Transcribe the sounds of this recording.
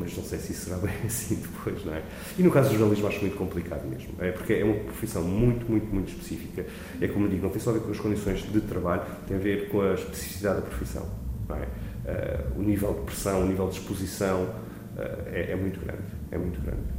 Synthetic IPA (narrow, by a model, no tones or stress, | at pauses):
mɐʒnɐ̃w̃sejsissɨɾaβɐ̃j̃ɐsĩd̪ɨpʰojʒnɐ̰̃w̃ɛ | inukazuʒuɾnɐlˠiʒmuaʃɛmũj̃t̪ukõmplˠikaðumḛʒmuʔɛpuɾkɛɛumɐpɾufisɐ̃w̃mũj̃t̪umũj̃t̪umũj̃t̪uʃpɨ̥sifikɐ | ɛkomud̪iɣunɐ̃t̪j̃sɔɐveɾkõɐʃkõnd̪isõj̃ʒðɨt̪ɾɐβaʎut̪ɐ̃j̃ɐveɾkõɐʃpɨ̥si̥fisiðaððɐpɾu̥fisɐ̰̃w̃nɐ̰̃w̃ɛ̰ɛ̰ṵnivɛlˠd̪pɾɨsɐ̃w̃univɛlˠd̪ʃpuzisɐ̃w̃ | ɛ̰ɛʔɛmũj̃t̪uɣɾɐ̰̃nd̪ | ɛ̰mũj̃t̪uɣɾɐ̰̃nd̪